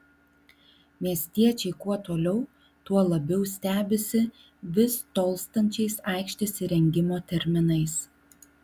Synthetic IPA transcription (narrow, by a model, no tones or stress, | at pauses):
mʲiɛsʲt̪ʲiɛt͡ʃʲɛɪkuɔt̪oːlʲɛʊ | t̪uɔlˠɐbʲɛʊsʲt̪ʲæːbʲɪsʲɪ | ʋʲɪst̪oːlˠst̪ɐnʲt͡ʃʲɛɪsɐˑɪkʃʲt̪ʲɪsʲɪɾʲɛŋʲɡʲɪmoːt̪ʲɛɾʲmʲɪnɐɪs